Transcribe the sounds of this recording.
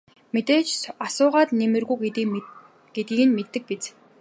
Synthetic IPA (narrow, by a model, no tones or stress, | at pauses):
met̪eːt͡ɕsasʊːʁaːt̪nemɘ̆rɣujɡ̪ | ɡ̥et̪̚ɡiːɘ̆nmet̪ːɘ̆k̚pet͡s